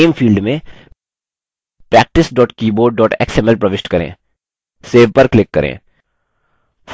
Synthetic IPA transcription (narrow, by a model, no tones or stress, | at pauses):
mfiːlɖmẽ | pɾɛːk̚ʈɪsɖɔːʈkiːboːɖːɔːʈɛ̰ːksɛmɛlpɾɐʋɪʃʈkɐɾḛ̃ː | seːʋpɐɾklɪkːɐɾḛ̃ː